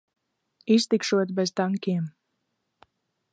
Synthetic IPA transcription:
ist̪ikʃuɔt̪bɛzt̪aŋkʲiɛm

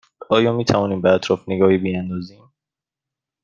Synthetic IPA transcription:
ɒːjɒːmiːt̪ʰævɒːniːmbeæt̪ʰɾɒːfneɡɒːhibiænd̪ɒːziːm

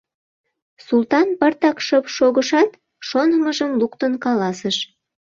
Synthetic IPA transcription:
sult̪ɑnpərt̪ɑkʃəpʃoɣəʃɑt̪ | ʃonəməʒəmlukt̪ənkɑlɑsəʃ

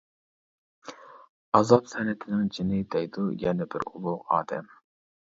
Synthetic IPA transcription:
ɑzɑpsɛnɛt̪ʰɪnɪŋd͡ʒɪnɪd̪ɛjd̪ujɛnɛbɪ̰ɾṵlˠʊʁɑ̰ːd̪ɛm

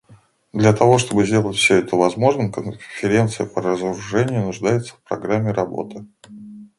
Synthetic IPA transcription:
d̪lʲɐt̪ɐvo̞ʂt̪o̞bɨzʲdʲe̞lˠətʲfsʲɵɛt̪əvɐzmo̞ʐnəmkənfʲɪɾʲent̪sɨjəpəɾəzəɾʊʐɛnʲɪjʊnʊʐd̪ajɪt̪sə̥fpɾɐɡɾamʲːɪɾɐbo̞̰t̪ɨ

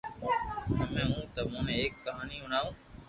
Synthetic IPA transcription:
nəmẽːɦũːt̪əmũːneːeːkːəɦaːniːʊɳ̤aːũː

